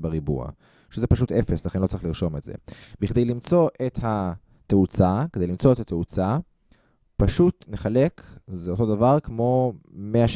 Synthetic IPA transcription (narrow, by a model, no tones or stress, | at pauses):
beʁibṵa̰ | ʃezepaʃ̬ute̞fe̞slaχenlo̞t͡saʁiχliʁʃo̞metzḛbiχd̪e̞jlimt͡so̞ʔe̞tha | t̪eut͡sakedejlimt͡so̞ethat̪eut͡sa | paʃutne̞χale̞kʰzeo̞to̞davaʁkmo̞meaʃ